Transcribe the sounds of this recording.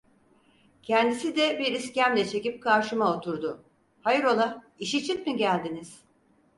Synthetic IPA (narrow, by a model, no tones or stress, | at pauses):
cʰɛnd̪isid̪ɛbiɾiscæmlʲɛt͡ʃʰe̞cip̚kʰaɾʃɯmaot̪ʰuɾd̪ʊ | hajɯɾo̞lˠa | iʃit͡ʃʰit̪miɟælʲd̪iniz̥